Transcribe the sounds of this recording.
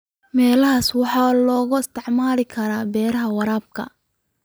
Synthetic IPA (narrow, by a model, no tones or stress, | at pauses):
mɛːlɐɦaːswɑħɑːlɔːɣʊɪst̪ʰɛʕmaːlɪkʰɐɾaːbɛːɾɐɦɐwɑɾaːb̚kʰɐ̰